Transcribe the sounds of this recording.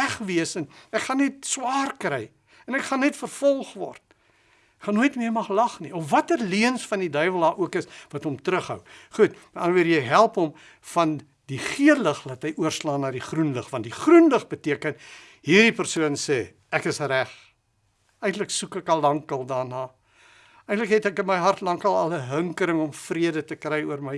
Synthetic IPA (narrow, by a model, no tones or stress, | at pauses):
æχviəsənækχɐnɛt̚swɑːrkrɛj | ɛnækχɐnɛtfərfɔlˠχvɔ̰rt̚ | χɐnuəjtmiərmɐχlɐχniɔfvɐtərliənsfɐndidœɥvəlˠdɑːʔuəkəsvɐtɦɔmtɾəχɦə̰wχutməɐnəviəɾjəjɦælˠpɔm | fɐn | diχiələχlɐtɦəjʔuərslɑːnɑːdiχrunləχvɐntdiχrunləχbətiəkən | ɦiːrdipərsuənseː | ækəsræχ | ɛjntləksukəkɐlɐŋkəlˠdɑːrnɑː | əjntləkɦɛtækənməjɦɐrtlɐŋkɐlˠɐləɦəŋkəɾəŋɔmfriədətəkrɛjuərməj